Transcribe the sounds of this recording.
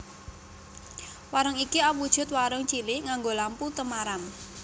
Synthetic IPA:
waɾəŋikiawud̥ʒ̥ʊ̤t̪̚waɾəŋt͡ʃilɪŋaŋɡolamput̪əmaɾam

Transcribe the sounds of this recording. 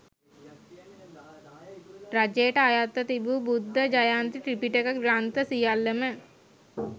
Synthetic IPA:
ɾad͡ʒeːʈajat̪ːət̪ibuːbud̪ʱːəd͡ʒajaːnt̪iʈɾipiʈekəɡɾant̪əsijalːəmə

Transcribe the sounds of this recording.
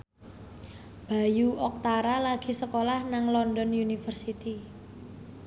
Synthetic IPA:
b̥a̤juʔɔk̚t̪aɾalaɡ̥i̤səkolahnaŋlɔndɔnunifərsit̪i

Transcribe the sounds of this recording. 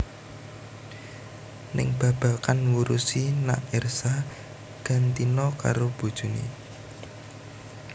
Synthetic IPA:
nɪ̰ŋb̥ä̤b̥a̤kanwuɾusina̰ʔersa | ɡ̥a̤nt̪inɔka̰ɾob̥ṳd̥ʒ̥ṳnḭ

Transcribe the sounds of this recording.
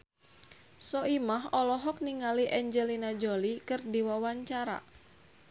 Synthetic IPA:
sɔimahɔlɔɦɔk̚niŋaliʔɛɲd͡ʒelinad͡ʒolikɨrdiwawaɲt͡ʃaɾa̰

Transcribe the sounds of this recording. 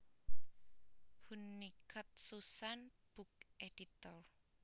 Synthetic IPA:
hunːikʰət̪̚susanb̥uk̚eɖ̥it̪ɔr

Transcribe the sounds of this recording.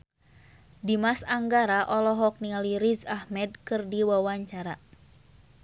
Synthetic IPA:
dimasaŋɡaɾaʔɔlɔɦɔk̚nialiɾizahmɛd̚kɨrdiwawaɲt͡ʃaɾa

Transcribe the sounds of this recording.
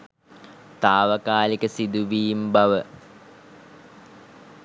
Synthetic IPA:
t̪aːʋəkaːlikəsid̪uʋiːmbaʋə

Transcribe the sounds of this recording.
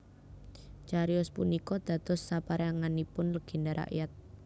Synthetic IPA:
t͡ʃaɾiʊspunikɔd̪̥ä̤d̪̥ɔ̤sːapaɾeaŋanipʊnləɡ̥i̤ndaɾʔa̰ʔjat̪̚

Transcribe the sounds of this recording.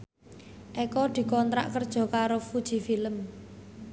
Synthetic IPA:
ʔɛkɔd̪̥i̤kɔnt̪ɾa̰ʔkərd̥ʒ̥ɔ̤kaɾofud̥ʒ̥i̤filəm

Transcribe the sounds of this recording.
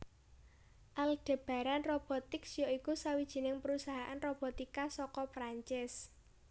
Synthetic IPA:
ʔalɖ̥e̤b̥ä̤ɾanrob̥ɔ̤t̪ɪksjoikusawid̥ʒ̥i̤nɪŋpəɾusaɦaʔanrob̥ɔ̤t̪ikasɔkɔpɾaɲt͡ʃɪs

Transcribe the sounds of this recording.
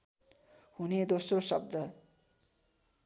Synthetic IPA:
huned̪osrosʌb̚d̪ʌ

